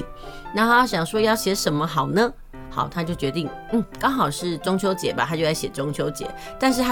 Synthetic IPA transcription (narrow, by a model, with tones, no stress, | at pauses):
na˧˥xo˥˩jɑ˥˩ɕjɑ˨˩ŋʂwɔ˥jɑ˥˩ʊɕjɛ˧˥ʂə˧˥nmə˧xɑ˨˩ʊnə˦ | xɑ̰˨˩ʊt̪ʰa˥t͡ɕjo˥˩ʊt͡ɕɥɛ˧˥t̪i˥˩ŋ | n̩˥˩kɑ˥ŋxɑ˨˩ʊʂɻ̩˥˩˨ʈ͡ʂʊ˥ŋt͡ɕʰjo˧˥ʊt͡ɕjɛ̰˨˩˦ba˩tʰa˥t͡ɕjo˥˧ʊla˥˩ɕjɛ˨˩ʈ͡ʂo˥ŋt͡ɕʰjo˧˥ʊt͡ɕjɛ̰˨˩˦ | t̪a˥˧n̬ɻ̩˥˧t